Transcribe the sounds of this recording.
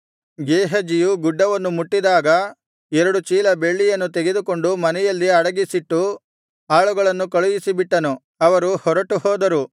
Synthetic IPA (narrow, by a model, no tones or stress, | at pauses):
ɡeːɦɐd͡ʒijuɡuɖːɐʋɐnːumuʈːid̪aːɡɐ | ɛɾɐɽut͡ʃiːlɐbe̞ɭːijɐnːut̪eɡed̪uko̞ɳɖumɐnɛjɐlːiɐɽɐɡisiʈːu | aːɭuɡɐɭɐnːukɐɭujisibiʈːɐnu | ɐʋɐɾuhɔɾɐʈuhɔːd̪ɐɾu